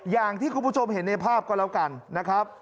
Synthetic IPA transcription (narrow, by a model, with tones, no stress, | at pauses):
jaː˨˩ŋt̪ʰiː˥˩kʰu˧mpʰu˥˩t͡ɕʰo˧mɦe˨˩˦nːa˧jpʰaː˥˩p̚kɔː˥˩lɛː˦˥wka˧nːa˦˥kʰɾa˦˥p̚